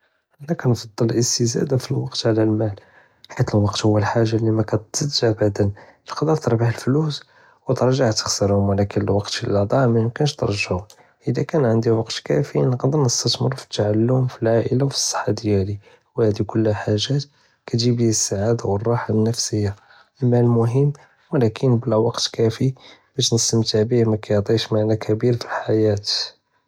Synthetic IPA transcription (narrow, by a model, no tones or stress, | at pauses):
ʔənːækænfɑd̪ˤːəlʔəst̪əzæ̰d̪afilwɑqt̪ʕlælmæl | ħit̪əlwɑqt̪hʊwːəlħaʒːalːimækæt̪zəd̪ʒabad̪ənʔəlqɑd̪əɾt̪əɾˤbaħəlflus | wət̪əɾˤʒaʕt̪ə̥xsəɾhʊmwəlækənəlwɑqt̪ilɑd̪ˤɑʕmæmkænəʃt̪ə̰ɾˤʒaʕʊm | ʔəd̪ækænʕənd̪iwɑqt̪kæ̰finəqd̪ənnəst̪ət̪mə̰ɾˤfi̥t̪ːaʕalːʊmfilʕaʔəlawfi̥sˤːə̥ħːad̪jæli | whæd̪ikʊlːħaʒːæt̪ | kæʒibihisːaʕad̪awərˤːɑħanːəfsəjːa | ʔəmːælmʊɦəmː | wəlækʰənbəlwɑqt̪kæfib̥æʃnəst̪əmt̪əʕbihmækæjd̪ˤiʃmaʕnækʰæbiɾfilħajæt̪